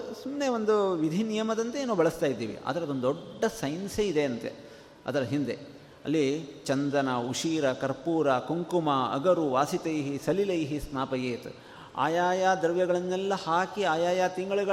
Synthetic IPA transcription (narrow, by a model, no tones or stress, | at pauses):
sumneʋond̪uʋid̪ʱinijɐmɐd̪ɐnt̪eeːnuːbɐɭɐst̪aːjid̪ːḭːʋḭʔɐ̰d̪ɐɾɐd̪ond̪ɔːɐsɐjnseid̪e̞ɐnt̪e̞̰ | ɐ̰d̪ɐɾɐɦind̪ḛ | ɐ̰lːit͡ʃɐnd̪ɐnɐuʂiːɾɐkɐɾpuːɾɐkoŋkumɐɐ̰ɡɐɾuʋaːsit̪ɐjɦisɐlilɐjɦisnaːpɐjeːt̪ | a̰ːjaːjaːd̪ɐɾʋjɐɡɐɭɐnːɛlːɐhaːkiaːjaːjaːt̪iŋɡɐɭuɡɐ